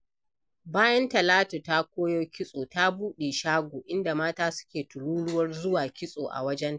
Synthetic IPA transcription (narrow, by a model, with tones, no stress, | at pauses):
baː˦jɐ˦ntɐ˨laː˦tu˨ta˦kʷoː˦joː˦kʲɪ˦sʼoː˨ta˦buː˦ɗe˨ʃaː˦ɡʷoː˨ʔɪ˦nda˨maː˦taː˦sʊ̥˦kʲeː˨tʊ˨ɽuː˦lʊ˦wɐ˦rzʊ˦waː˨kʲɪ˦sʼoː˨ʔa̰˨wɐ˦d͡ʒɛ˦n˦˨